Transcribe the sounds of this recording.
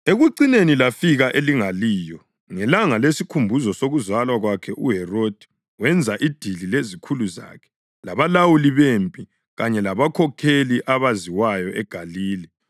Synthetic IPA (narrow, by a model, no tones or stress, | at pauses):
eɣuǀinenilafiɣaʔeliŋaliːjɔ | ŋɛlaŋalesikʰumbʱuzɔsoɣuzwalwaɣwakʰɛʔuɦɛrod̥ʱi̥ | wɛnd͡zʱaʔid̥ʱililezikʰuluza̰ːkʰɛ̥ | laβalawuliβempʼi | ɣaɲɛlaβakʰɔkʰeliʔaβaziwajɔʔɛɡ̥ʱaliːli